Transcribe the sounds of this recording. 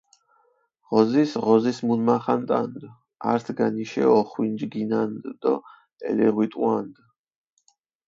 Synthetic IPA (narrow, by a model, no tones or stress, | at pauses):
ʁɔzisʁɔzismunmaχant̪ʼand̪ | a̰ɾt̪ʰɡaniʃɛ̰ɔχwind͡ʒɡinand̪d̪ɔ | ɛ̰lɛʁwit̪ʼwand̪